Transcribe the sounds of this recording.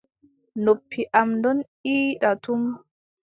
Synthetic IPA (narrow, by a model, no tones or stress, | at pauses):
nopʰːiʔamdɔn | iːɗatum